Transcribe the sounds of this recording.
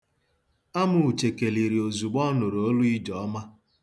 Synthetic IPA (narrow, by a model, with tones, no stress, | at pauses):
a˦mʊ˨u˨t͡ʃe˨ke˨li˨ɾi˨o˨zu˨ɡ͡bɔ˦nʊ˨ɾo˦lʊ˦i˦d͡ʒɔ˨ɔ˦ma˦